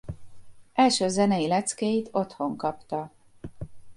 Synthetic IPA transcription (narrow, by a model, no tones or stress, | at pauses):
ɛlʃøːzɛnɛjilɛt̪skejit̪ʰo̞t̪ho̞ŋkɒpt̪ɒ